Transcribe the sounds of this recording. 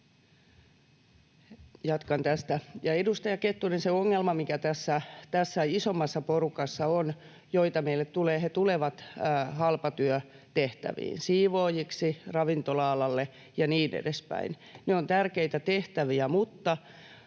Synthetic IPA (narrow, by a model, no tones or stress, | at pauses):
jɑt̪kɑnt̪æst̪æjɑedust̪ɑjɑket̪ːunenseoŋːelmɑmikæt̪æsːæt̪æsːæisomːɑsːɑporukɑsːɑon | joit̪ɑmeilːet̪t̪uleːhet̪uleʋɑt̪ːhɑlpɑt̪yø | t̪eht̪æ̰ʋḭːnsiːʋoːjiksirɑʋint̪olɑːlɑlːe | jɑniːnḛdespæ̰in | neont̪ærkeit̪æt̪eht̪æʋiæmut̪ːɑ